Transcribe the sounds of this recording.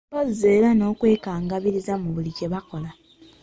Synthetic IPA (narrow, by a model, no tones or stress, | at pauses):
ozze̞ːlano̞ːkwe̞ːkaːŋɡaβiɾizamuβulice̞βako̞la